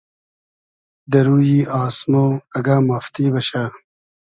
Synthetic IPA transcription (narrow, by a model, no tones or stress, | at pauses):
d̪ɐɾuːjiːaːsmoːɐɡaːmaːft̪iːbɐɕa